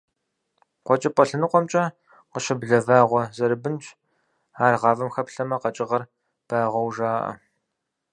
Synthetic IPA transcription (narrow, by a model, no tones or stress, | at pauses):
qʷɔt͡ʃʼɐpʷʼɔɬɨnɨqʷʼɔmt͡ʃʼɐ | qəʃɐbɮɐvaːʁʷɔzɐɾɨbɨnt͡ʃʼ | aːrʁɑːvɐmxɐpɬɐmɐqɐt͡ʃʼɪʁɐr | b̥aːʁʷɐwʒaːʔɐ̰